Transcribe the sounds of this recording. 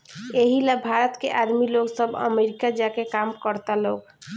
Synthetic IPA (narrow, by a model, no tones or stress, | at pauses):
eɦilabʱaɾət̪keʔaɾmiloɡsəbʱə̰meɾikad͡ʒakekamkəɾt̪aloɡ